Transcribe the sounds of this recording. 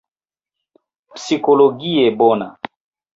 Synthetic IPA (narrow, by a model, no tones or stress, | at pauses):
psikɔlɔɡiɛbɔna